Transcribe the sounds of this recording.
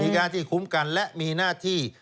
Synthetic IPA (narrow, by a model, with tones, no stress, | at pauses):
iː˧kaː˧nt̪ʰiː˥˩kʰu˦˥mka˧nlɛ˦˥ʔmiː˧naː˥˩t̪ʰiː˥˩